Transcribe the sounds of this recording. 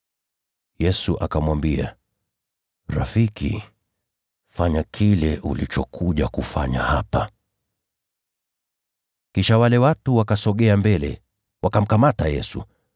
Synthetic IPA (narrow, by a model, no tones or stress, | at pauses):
jɛsuʔakamwambia̰ | ɾafikḭ | faɲakʰilɛʔulit͡ʃɔkʰuʄakufaɲahapa | kiʃawalɛwatuwakasɔɠɛambɛlɛ̰ | wakam̩kamatajɛsṵ